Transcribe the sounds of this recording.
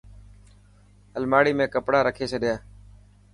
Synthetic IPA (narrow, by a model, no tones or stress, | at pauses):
ɦəlmaːɽiːmẽːkəpɽaːɾəkʰeːt͡ʃʰəɗɪjaː